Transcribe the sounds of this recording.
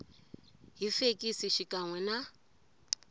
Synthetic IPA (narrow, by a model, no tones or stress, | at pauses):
ɦifekʼisiʃikʼaŋwɛna